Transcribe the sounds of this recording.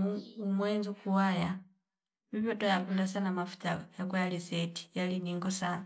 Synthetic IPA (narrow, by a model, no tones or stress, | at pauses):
muumwenzukuwaja | mipotojakulasanamafu̥tajakwajaliseti̥jaliniŋɡosan